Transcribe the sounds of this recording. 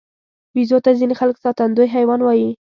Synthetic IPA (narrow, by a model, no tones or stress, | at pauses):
bizot̪azinexalksɑt̪and̪ojɦajwɑnwɑji